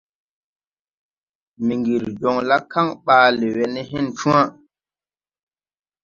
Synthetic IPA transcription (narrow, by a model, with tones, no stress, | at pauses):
mi˨ŋɡi˨ɾd͡ʒɔ˨ŋla˦kːa˦ŋɓaː˨˦lɛ˨wɛ˨nɛ˦hi˦nt͡ʃũ˦a˦